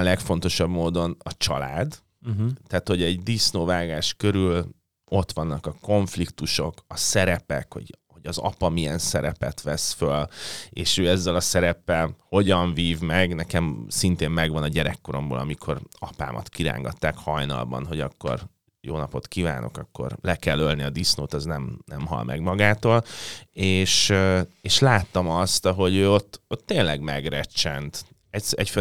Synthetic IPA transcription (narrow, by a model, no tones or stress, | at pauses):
lɛkfo̞n̪t̪o̞ʃɒbmoːd̪o̞nɒt͡ʃɒlaːd̪ | t̪ːaːt̪ho̞ɟɛɟd̪isnoːvaːɡaːʃkøɾyl | o̞t̪ʋɒnːɒkɒko̞ɱflikt̪uʃo̞kɒsɛɾɛpɛkho̞̰ɟho̞ɟɒzɒ̰pɒmijɛnsɛɾɛpɛt̪ʋɛsføleːʃøːɛzːɛlɒsɛɾɛpːɛlho̞ɟɒɱviːvmɛɡnɛkɛmsint̪eːmmɛɡʋɒnɒɟɛɾɛkːo̞ɾo̞mbo̰ːlɒmikʰoɾɒpa̰ːmʔɒ̰t̪kiɾa̰ːŋɡɒt̪ːaːkhɒjnɒ̰lbɒ̰nɦo̞ɟɒkːo̞̰r | joːnɒpo̞t̪kiva̰ːno̞̰kɒkːo̞̰rlɛkɛlːølniɒd̪isnoːt̪ɒznɛmnɛmɦɒ̰lmʔɛ̰ɡmɒɡaːt̪oːleːʃeːʃlaːt̪ːɒmɒst̪ɒɦo̞ɟøːo̞t̪ːot̪ːeːnlɛɡmɛɡrɛt͡ʃːɛnt̪ | ɛsɛcfø